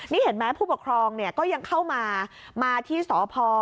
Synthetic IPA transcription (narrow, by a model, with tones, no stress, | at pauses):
niː˥˩he˩˦nmɛ˦˥pʰuː˥˩po˨˩kʰɾɔː˧ŋni˥˩kɔː˥˩ja˧ŋkʰa˥˩wmaː˧ | maː˧t̪ʰiː˥˩sɔː˩˦pʰɔː˧